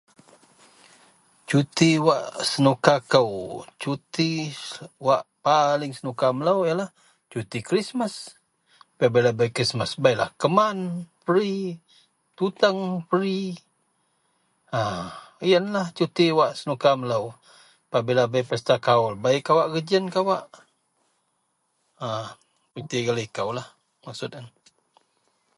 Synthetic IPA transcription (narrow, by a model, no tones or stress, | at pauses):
t͡ʃut̪iwaʔsənukakəwt͡ʃut̪i | waʔpalɪŋsənukamələwjalah | t͡ʃut̪ikɾismas | pabilabajkɾismasbajla̰hkəmanpəɾi | t̪ut̪aŋpəɾi | ajənlaht͡ʃut̪iwaʔsənukamələw | pabilabajpəst̪akaʊlbaikawaʔɡəd͡ʒənkawaʔ | a | t͡ʃut̪iɡaləikawlah | maksʊt̪̚an